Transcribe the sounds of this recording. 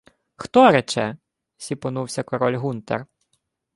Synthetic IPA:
xt̪ɔɾɛt͡ʃɛ | sʲipɔnuwsʲɐkɔɾɔlʲɦunt̪ɛ̰r

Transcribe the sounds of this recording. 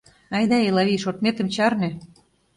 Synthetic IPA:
ɑjd̪ɑelɑβiʃot̪met̪ə̆mt͡ɕɑrnĕ

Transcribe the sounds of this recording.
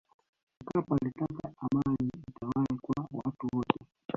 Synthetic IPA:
kapalitakaamaniitawaikwawa̰tuwɔtɛ

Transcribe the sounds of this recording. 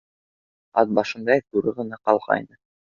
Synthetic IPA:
ɑ̰t̪̚bɑʃɤ̆nd̪ɑk̪uɾɤʁɤ̆nɑqɑlˠʁɑ̰jnɤ

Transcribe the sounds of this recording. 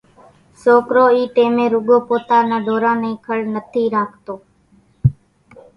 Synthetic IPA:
soːkɾoːiːʈeːmẽːɾuɡoːpoːt̪aːnãːd̪ʱoːɾãːnəĩːkʰəɭnət̪ʰiːɾaːkʰt̪oː

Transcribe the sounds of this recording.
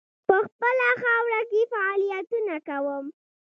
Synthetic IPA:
pəxpəlaxawɽakefaɑlijat̪unakawəm

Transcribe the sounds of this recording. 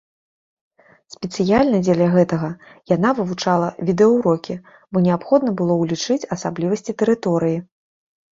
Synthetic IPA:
sʲpʲɛt̪sɨjalʲnɐd͡zʲelʲɐɣɛt̪ɐɣɐjanavɨvut͡ʂalˠɐvʲid̪ɛɐwɾɔkʲi | bɔnʲɛapxɔd̪nɐbɨlˠɔwlʲit͡ʂɨt͡sʲɐsablʲivɐsʲt͡sʲit̪ɛɾɨt̪ɔɾɨji

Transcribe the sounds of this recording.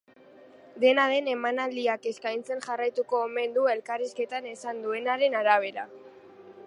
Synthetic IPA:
d̪e̞naðe̞ne̞manald̪iake̞skajnt͡se̞nʝarajt̪uko̞ːme̞nd̪ue̞lkariske̞t̪ane̞sand̪ue̞naɾe̞naɾaβ̞e̞ɾa̰

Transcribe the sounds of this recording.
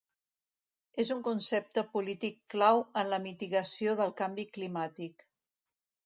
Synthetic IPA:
ezuŋkunsep̚t̪əpulit̪ikːlawənləmit̪iɣəsioðəlˠkambiklimat̪ik

